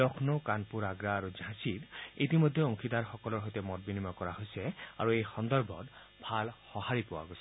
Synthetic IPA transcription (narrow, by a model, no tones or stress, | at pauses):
ɔkʰnokanpuɹaɡɹaːɹuzãsitit̬imojdʱːɛoŋkʰidaɹxɔkɔlɔɹɦojtɛmɔt̚binimɔkɔɹaɦojsɛa̰ɹuejxɔndɔɹbʱɔ̰t | bʱalxɔhaɹipowa̰ɡojsɛ